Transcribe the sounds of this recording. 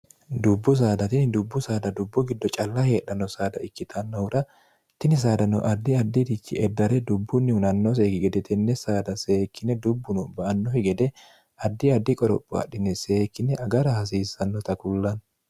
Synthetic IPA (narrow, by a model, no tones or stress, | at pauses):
d̪ʊbːʊs̬aːd̪ɐt̪ɪnɪd̪ʊbːʊsaːd̪ɐd̪ʊbːʊɡɪd̪ːɔt͡ʃʼɐlːɐhe̞ːᶑɐnːɔsaːd̪ɐɪkːɪt̪ʰɐnːɔwɾɐ | t̪ɪnɪs̬aːd̪ɐnʊʔɐd̪ːɪɐd̪ːɪd̪ɪt͡ʃːɪ̰ɛd̪ːɐɾɛd̪ʊbːʊnːɪʊnɐnːɔs̬ekɪɡɛd̪ɛt̪ɛnːɛsaːd̪ɐseːkːɪnɛd̪ʊbːʊnʊbɐʔɐnːɔhɪɡɛd̪ɛ | ɐd̪ːɪɐd̪ːɪkʼɔɾɔ̰pʼːʊ̰ɐ̰ɗːɪnːɛse̞ːkːɪnɛʔɐɡɐɾɐhɐs̬iːsːɐnːɔt̪ɐkʊlːɐn